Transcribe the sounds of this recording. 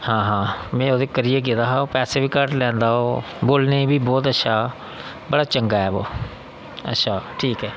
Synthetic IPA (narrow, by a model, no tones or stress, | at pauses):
hãːɦãːmɛ̃ːoːd̪eːkəɾijeːɡɪd̪aːɦaːoːpɛːseːbiːkəɾʈlɛ̃ːnd̪aːoː | boːlnebiːbɔːt̪̬ətːʃʰaː | bəɽaːt͡ʃəŋɡaːɛːboː | ə̰tːʃʰaːʈʰiːkɛː